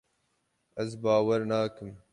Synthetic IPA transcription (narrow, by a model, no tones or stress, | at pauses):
ɐzbaːwɐɾnaːkɨm